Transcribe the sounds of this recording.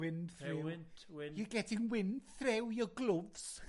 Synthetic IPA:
ɪnθɪniɡɛdʰɪŋwɪnθrɛwjɔɡlˠʊvs

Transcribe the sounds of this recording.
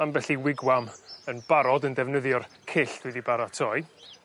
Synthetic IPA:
anbɛɬiwɪɡwamənb̥aɾɔdəndɛvnəðjɔr | kʰɪɬd̥wɛdibaɾatʰɔj

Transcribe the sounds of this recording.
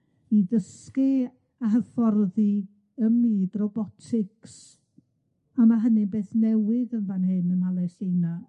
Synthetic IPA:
iðəskɨ | aɦəfɔrði | əmːiːdrɔbɔtʰɪks | amaɦənɪbeːθnɛwɪðənvanhɨnəmalˠɛsejna

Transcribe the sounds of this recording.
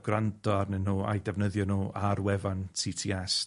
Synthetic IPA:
ɡ̥randɔrnənuːa̰jdɛvnəðjɔnuːʔarwɛvantʰiːtʰiːɛs

